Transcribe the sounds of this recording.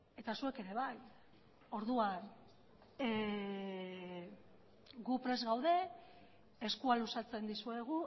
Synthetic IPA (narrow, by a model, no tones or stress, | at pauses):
e̞t̪asue̞ke̞ɾe̞β̞aj | o̞ɾðuan | ɡupɾe̞zɣawðe̞ː | skualusat͡se̞nd̪isue̞ɣ̞u